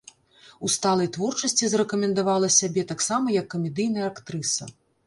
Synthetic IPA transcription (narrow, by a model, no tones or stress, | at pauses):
ust̪alˠɐjt̪vɔrt͡ʂɐsʲt͡sʲizrɛkɐmʲɛnd̪avalˠɐsʲabʲɛt̪aksamɐjɐkːɐmʲɛd̪ɨjn̪ɐjɐakt̪ɾɨsɐ̰